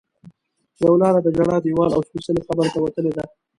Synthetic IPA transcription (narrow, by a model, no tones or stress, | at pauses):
zawlɑɾad̪əɡaɽɑd̪ijwɑla̰wʃpusəlexabəɾt̪awat̪əled̪a